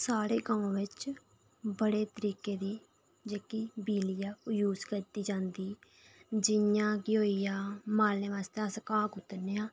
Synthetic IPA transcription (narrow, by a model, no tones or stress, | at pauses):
saːɽeːɡãːõːʋɪt͡ʃ | bəɽeːt̪əɾiːkeːd̪iː | d͡ʒeːkiːbiːlɪjaːjuːzkəɾt̪iːd͡ʒãːnd̪iː | d͡ʒɪjãːɡɪoːiːjaːmaːlẽːʋaːst̪easkaːkʊt̪ːəɾneːãː